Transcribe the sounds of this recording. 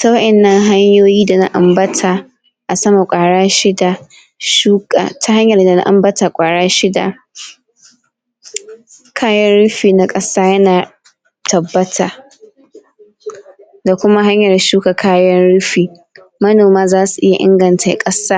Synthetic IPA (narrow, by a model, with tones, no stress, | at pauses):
ta˦wɐ˦ʔɛɪ˨nːɐ˦ŋɦa˦ɲjoː˦jiː˦da˨na̰˦ʔa̰˨mbɐ˦tʰa˨ | ʔa˨sɐ˦ma˨kʷʼaː˨ɽaː˦ʃɪ˦da˨ | ʃuː˦ka̰˨tʰa˨ha˦ɲjɐ˨rda˨na̰˦ʔa̰˨mbɐ˦ta˨kʷʼaː˨ɽaː˦ʃɪ˦da˨ | kʰaː˦jɐ˦nɽʊ˦ɸiː˨na˦kʼɐ˦saː˦jɐ˦naː˨ | tʰɐ˨bːɐ˦tʰaː˨ | da˨kʷʊ˦ma˦hɦa˦ɲjɐ˨rʃuː˦ka˨kʰaː˦jɐ˦nɽʊ˦ɸiː˨ | mɐ˦noː˨maː˦zaː˦su˨ʔɪ˦ja̰˨ʔɪ̰˦ŋɡɐ˨ntʰa˨˦kʼɐ˦saː˦